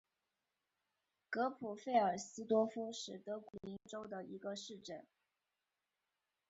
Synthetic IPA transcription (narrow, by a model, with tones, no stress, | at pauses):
kɤ˧˥pʰu˨˩fe˥˩ɪə˞˨˩sɹ̩˥t̪wɔ˥fu˥ʂɻ̩˥˩t̪ɤ˧˥ku˧˨˩li˧˥nʈ͡ʂo˥ʊd̪ə˨i˧˥ɡə˧ʂɻ̩˥˧ʈ͡ʂə˥˩n